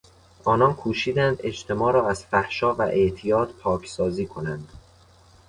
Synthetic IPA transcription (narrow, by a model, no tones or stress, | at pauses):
ɒːnɒːnkʰuːʃiːd̪ænd̪e̞d͡ʒt̪ʰe̞mɒːɾɒːæz̥fæhʃɒːvæʔe̞ʔt̪ʰijɒːt̪pʰɒːcʰsɒːziːkʰo̞nænd̪̥